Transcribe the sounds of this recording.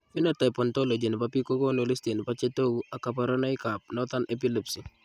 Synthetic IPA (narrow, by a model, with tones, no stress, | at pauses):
fi˦nɔ˦ta˨pɔntolo˨d͡ʒi˨n˨pa˨pi˦ko˦ko˦no˨li˦sti˨n˨pa˦t͡ʃe˦to˦ɡua˨ka˨pa˨ɾɔ˦na˦ɪka˨p̚nɔt̪a˦nʔe˦p̬i˦li˨psi˨